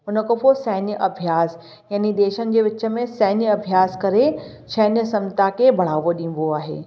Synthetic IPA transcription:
ʊnə̆koposɛːɪnjəʔɐbʱijaːs | jaːnid̪eːʃənɪ̆d͡ʑeːʋɪt͡ɕə̆mẽsɛːnjəɐbʱijaːskɐɾe | ʃɐːnjəsɐ̃mt̪akʰeːbʱɐɽ̤aːʋoɗĩːn̆d̪oaːɦḛː

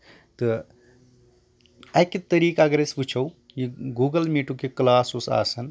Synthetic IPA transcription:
t̪ɨ | ɐkit̪ɐɾiːkaɐɡɐɾesput͡ʃʰɐw | jiɡuːɡɐlmiːʈukeklaːsusa̰ːsɐn

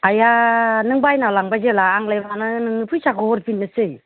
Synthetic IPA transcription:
ajanɯŋbajnalaŋbazelaːŋlajbanɯnɯŋnɯpʰɯjsakɔɔɾpʰinːɯsɯj

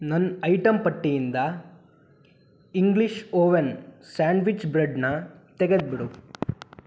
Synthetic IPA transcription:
nɐnːɐjʈɐmpɐʈːijind̪ɐ | iŋɡliʃoːʋensaːɳɖʋit͡ʃbɾeɖnɐt̪eɡed̪̚biɽu

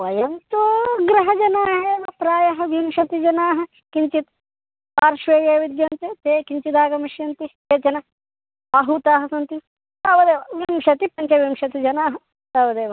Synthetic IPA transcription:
ʋɐjɐnt̪uɡɾɐɦɐd͡ʒɐnaːɦeːʋɐpɾaːjɐɦɐʋimʃɐt̪id͡ʒɐnaːɦɐ̆ | kiɲt͡ʃit̪ | paːɾʃʋeːjɐʋid̪jɐnt̪et̪eːkiɲt͡ʃit̪aːɡɐmɐʃjɐnt̪i | eːt͡ʃɐnɐ | ɐɦut̪aːɦɐsɐnt̪i | t̪ɐːʋɐd̪eːʋɐʋimʃɐt̪ipɐɲt͡ʃɐʋimʃɐt̪id͡ʒɐnaːɦɐ | t̪ɐːʋɐd̪eːʋɐ

